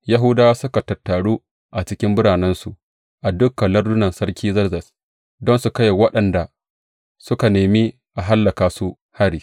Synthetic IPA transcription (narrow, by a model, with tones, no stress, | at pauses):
ja˦ɦʊ˦daː˦sʊ˦ka˨tɐ˨tːa˨ɽuː˦ | ʔa˨t͡ʃɪ˦kʲɪ˦mbʊ˦ɽaː˨nɛ˦nsu˨ | ʔa˨dʊ˦kːɐ˨lɐ˦rdʊ˦nɐ˨nsɐ˦rkʲiː˦zɐ˦rzɐ˨s | dɔ˦nsu˨kɐ˦je˨wɐ˦ɗɐ˨nda˨ | sʊ˦ka˨neː˨miː˦ | ʔa˨ɦa˦lːɐ˨kaː˨su˦ | ha˦ɾiː˨